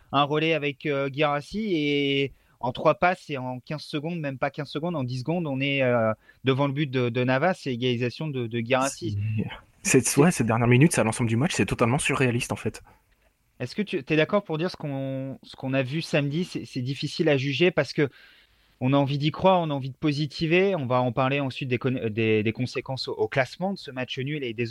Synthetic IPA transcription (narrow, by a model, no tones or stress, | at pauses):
ɛ̃ʁɔlɛavɛkøɡʲiʁasie | ɑ̃t̪χwapasɛɑ̃kʲɛ̃z̥səɡɔ̃d̪mɛmpakʲɛ̃z̥səɡɔ̃d̪ɑ̃d̪is̬ɡɔ̃d̪ɔ̃nɛø | d̪əvɑ̃ləbyt̪̚d̪əd̪ənavasɛleɡalizasjɔ̃d̪əd̪əɡʲiʁasi | sɛwɛsɛd̪ɛʁnjɛʁminyt̪sealɑ̃sɑ̃bləd̪ymat͡ʃsɛt̪ɔt̪almɑ̃syʁːealist̪ɑ̃fɛt̪ | ɛskət̪yt̪yɛd̪akɔʁpuʁd̪iʁsə̥kɔ̃sə̥kɔ̃navysamd̪isɛsɛd̪ifisilaʒyʒepaʁsə̥kə | ɔ̃naɑ̃vid̪ikχwaʁɔ̃naɑ̃vid̪əpozit̪ʰiveɔ̃vaɑ̃paʁleɑ̃sɥit̪̚d̪ek̪d̪ed̪ekɔ̃sekɑ̃soʔoklasmɑ̃d̪əsəmat͡ʃənyled̪ez